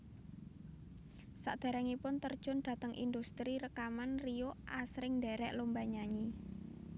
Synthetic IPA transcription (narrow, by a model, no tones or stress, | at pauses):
saʔd̪̥a̤ɾɛŋipʊnt̪ərd̥ʒ̥ʊ̤nd̥̪ä̤t̪əŋʔḭnd̪ust̪ɾiɾəkamanrioʔʔasɾɪŋd̪ɛɾɛʔlombaɲaɲi